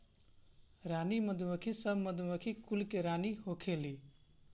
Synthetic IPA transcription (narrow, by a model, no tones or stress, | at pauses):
ɾanimʌd̪ʱumʌkʰisʌbmʌd̪umʌkʰikulkeɾaniɦokʰeli